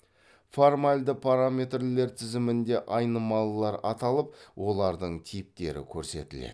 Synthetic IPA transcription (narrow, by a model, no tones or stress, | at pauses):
fo̞rmalʲd̪əpʰaɾamʲe̞t̪rle̞ɾt̪ʰɪzɪmɪnd̪e̞ʔɑjnəmɑlˠlˠɑɾɑt̪ɑlˠəp̚wo̞lˠɑɾd̪əɴt̪ʰijp̚t̪e̞̰ɾɪ̰kʲʰɵɾse̞̰t̪ɪlḛd̪